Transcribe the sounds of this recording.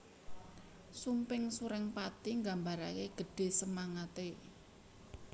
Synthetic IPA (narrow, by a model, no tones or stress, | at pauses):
sumpɪŋsuɾɛŋpat̪iŋɡambaɾakeɡ̥ə̤ɖ̥e̤səmaŋat̪e